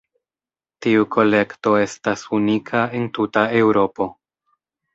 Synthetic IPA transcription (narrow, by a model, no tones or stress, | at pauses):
tiukʰo̞le̞kto̞e̞stasunikʰae̞ntutae̞wɾo̞po̞